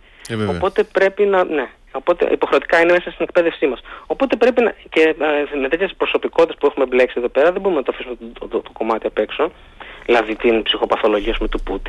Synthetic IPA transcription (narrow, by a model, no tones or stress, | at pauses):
oppo̞t̪e̞pɾe̞pinɐne̞ | o̞po̞t̪e̞̰ʔipo̞xɾe̞o̞t̪i̥kɐineme̞sɐst̪ine̞k̚pe̞ðe̞fsimɐso̞po̞t̪e̞pɾe̞pinɐ̰ceme̞t̪et̪çesspɾo̞so̞piko̞t̪t̪espuexumeble̞ksieðo̞pe̞ɾɐðebo̞ɾume̞nɐt̪ofisumet̪oko̞mɐt̪iɐpe̞kso̞ | ilɐðit̪inpsixo̞pɐθo̞lo̞ʝiɐs̬pumet̪uput̪i̥